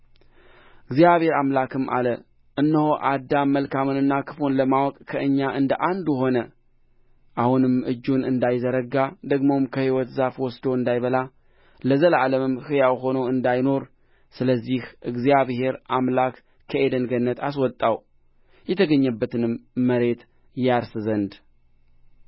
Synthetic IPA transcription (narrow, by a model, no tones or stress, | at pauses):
ɨɡzijaβhe̞ɾamlakʰɨmʔa̰lə | ʔɨnːəhoʔad̪ːaməlkamɨnɨnːakʰɨ̥funləmawɔkʼkʰəɨɲːaʔɨnd̪əʔand̪uɦo̞nə | ʔahunɨmʔɨd͡ʒːunɨnd̪ajzəɾəɡad̪əɡmo̞mkʰəhiwɔt̪zafwɔsd̪oɨnd̪ajβəla | ləzəlaləmɨmhɨjawɦo̞nəwɨnd̪ajno̞ɾ | sɨləzːihʔɨɡzijaβhe̞ɾʔamlak | kʰəʔed̪ənɡənːət̪ʰas̬wɔt̪ʼːaw | jɛt̪ʰəɡəɲːəbːət̪ɨnɨmːəɾe̞t̪ | jaɾsɨzənd̪